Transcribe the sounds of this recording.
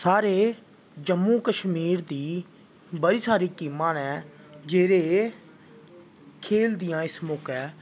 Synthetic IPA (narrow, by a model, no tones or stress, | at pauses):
saːɾeː | d͡ʒəmːũːkəʃmiːɾd̪iː | bəɾiːsaːɾiːkiːmãːnɛː | d͡ʒeːɾeː | kʰeːld̪ɪjãːɪsmʊkɛː